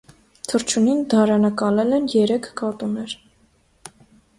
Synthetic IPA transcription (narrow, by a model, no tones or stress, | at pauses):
t̪ʰəɾt͡ʃʰunind̪ɑɾɑnɑkɑlɛlɛnjɛɾɛkʰkɑt̪unɛɾ